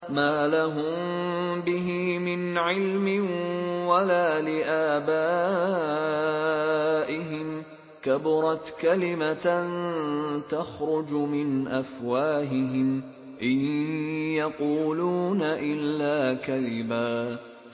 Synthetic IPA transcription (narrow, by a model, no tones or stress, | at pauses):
maːlaɦʊm | bɪɦimɪnʕɪlmɪnwalaːlɪʔaːbaː | ʔɪɦɪm | kabɾˤɑt̪kalɪmant̪axɾʊd͡ʒmɪnʔafwaːɦɪɦɪm | ʔɪnjɑquːluːnaʔɪlːaːkalɪmaː